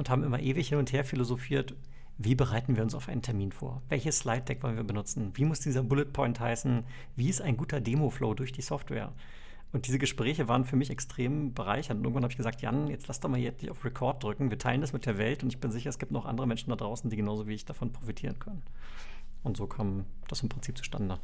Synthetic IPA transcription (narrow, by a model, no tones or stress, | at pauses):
ʔʊnthaːbm̩ʔɪmɐʔeːvɪçhɪnʊntheːɐfilozofiːɐt | viːbəʁaɪtn̩viːɐʊnsaʊfʔaɪntʰɛɐmiːnfo̰ːɐvɛ̰lçəsslaɪt̚d̥ɛkv̥ɔlənviːɐbənʊt͡sn̩viːmʊsd̥iːzɐbʊlət̚pʰɔʏnthaɪsn̩ | viːɪstaɪnɡuːtɐdeːmofloːdʊɐçd̥iːsɔftv̥ɛ̰ːɐ | ʔʊnt̚d̥iːzəɡəʃpʁ̥ɛːçəvaːʁənfyːɐmɪçɛkstʁ̥eːmbəʁa̰ɪçɐntʊntʔɪɡ̩ŋ̩v̥nhaːəɪçɡəzaːktja̰njɛt͡stlasd̥ɔmaːljɛnɪçaʊfʁ̥ekʰɔɐt̚d̥ʁʏkŋ̩viːɐtʰaɪləndasmɪt̚d̥eːɐvɛltʊntɪçb̥ɪnzɪçɐɛsɡ̥iːp̚tnɔʊχʔa̰ndəʁəmɛnʃn̩dadʁaʊsn̩diːɡənaʊzoviːɪçd̥afɔnpʁ̥ofitʰiːʁ̞ənkʰœnən | ʔʊntz̥oːkʰaːmd̥asɪmpʁ̥ɪnt͡siːp̚t͡su̥ʃta̰ndə